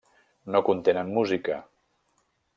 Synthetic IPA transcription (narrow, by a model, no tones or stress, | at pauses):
nokunt̪enənmuzikə